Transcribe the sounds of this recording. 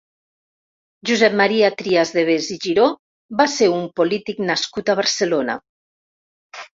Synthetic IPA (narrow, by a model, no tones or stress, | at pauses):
ʒuzɛp̚maɾiat̪ɾiazðeβ̞eziʒiɾo | βaseumpolit̪iknaskut̪aβ̞aɾselona̰